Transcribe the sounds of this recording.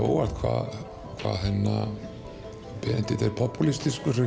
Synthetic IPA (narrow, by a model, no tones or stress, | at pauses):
owalt̪kʰva̰ð | kʰva̰ðɦɛnːa | pɛnt̪ɪt̪eɾpʰɔpulist̪iskʏre